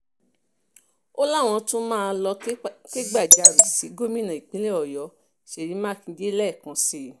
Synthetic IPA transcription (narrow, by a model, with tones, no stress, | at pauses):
o˦la˦˨w̃ɔ̃˧tũ˦mãː˦˧lɔ˧ke˦ɡ͡ba˦˨d͡ʒa˨ɾi˨si˨˦ɡo˦mĩ˦nã˨i˨k͡pĩ˨˦le˦ɔ˨jɔ˨˦ | ʃe˨ɾĩ˨˧˦mãː˦kĩ˧d͡ʒe˦lɛ˦˨kã˨˧si˦